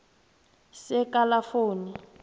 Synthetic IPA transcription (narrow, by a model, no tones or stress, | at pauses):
sɛkʼalafoːni